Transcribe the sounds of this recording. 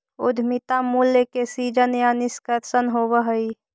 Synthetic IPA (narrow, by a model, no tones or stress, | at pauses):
ud̪ʱmit̪amulːjəkesid͡ʒənjanɪskətsənɦoβəɦəi